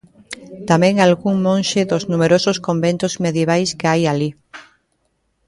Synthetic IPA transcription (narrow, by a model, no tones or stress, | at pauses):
t̪amɛ̃ŋalɣuŋmõnʃɪðʊznumeɾosʊskombent̪ʊzmeðjeβajskɪajali